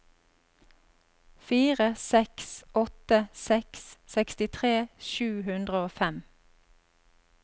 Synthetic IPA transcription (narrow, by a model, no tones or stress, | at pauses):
fiːʁəsɛksʔɔt̪əsɛkssɛkst̪ɪt̪ʰʁeːʃʉːhʉnd̪ʁəoːfɛm